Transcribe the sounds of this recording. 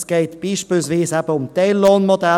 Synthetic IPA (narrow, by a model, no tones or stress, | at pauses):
sɡ̥eɪtb̥iːʃpiːlsviːsæpəʊmt̪eɪlːoːnmodæ